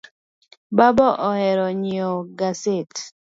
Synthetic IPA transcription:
babɔʔɔhɛɾɔɲioɡaset

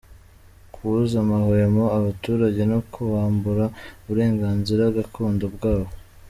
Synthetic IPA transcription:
kʰuuzamahojemo̞aβatuːɾaɟe̞nokʰuβaːmbuɾauβuɾe̞ːŋɡaːnziɾaβɡakʰuːndobɡaːβo

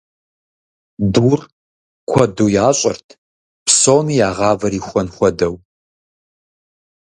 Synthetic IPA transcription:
duːr | kʷʰɔduːjaːɕʼɐ̰rtʰ | pʰsoːmijaːʁɑːvɐɾiːxʷɔnxʷɔdɐw

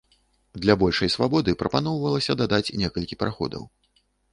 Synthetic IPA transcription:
d̪lʲɐbɔlʲʂɐjsvabɔd̪ɨpɾɐpanɔwvɐlˠɐsʲɐd̪ad̪at͡sʲnʲɛkɐlʲkʲipɐɾaxɔ̰d̪ɐ̰w

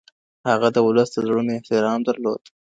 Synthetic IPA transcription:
haɣad̪əwʊləsd̪əzɽumeɪht̪ɪɾɑmd̪aɾlod̪

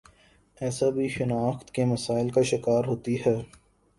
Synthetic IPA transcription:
ɛːsabʱiʃɪnaːxt̪kemɐsaːɪlkaʃɪkaːɾɦoːt̪iɦɛː

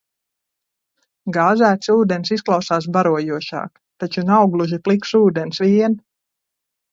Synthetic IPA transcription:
ɡaːzæːt̪suːd̪ensisklˠawsaːs̬baɾuɔjuɔʃɑ̰ːk | t̪at͡ʃunawɡlˠuʒiplˠiksuːd̪ɛnsʋʲiɛn

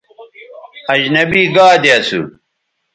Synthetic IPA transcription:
ɐd͡ʑnɐbiːɡaːd̪eɐsṵ

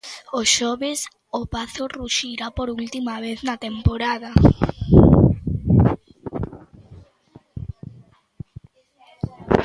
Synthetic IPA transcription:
oʃɔβes | opaθoruʃiɾapoɾult̪imaβ̞eθnat̪empoɾaða

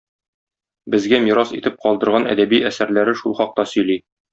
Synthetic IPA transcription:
bɘ̆zɡæmiɾɑsḭt̪ɘp̚qɒlˠd̪ɤ̆ɾʁɑnæ̰d̪æbiæsæɾlæɾɘʃulˠχɒq̚t̪ɑsɵ̆jli

